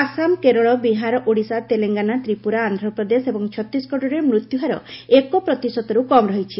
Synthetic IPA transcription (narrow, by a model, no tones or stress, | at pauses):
asamkeɾoɭɔbiɦaɾɔʔoɽisat̪eleŋɡanat̪ɾipuɾaːnd̪ʱɾɔpɾɔd̪esebɔŋt͡ʃʰɔt̪ːɾisɡɔʈoɾeɾmɾut̪juɦaɾɔ̰ekopɾɔt̪isɔt̪ɔɾukɔmɾɔɦit͡ʃʰi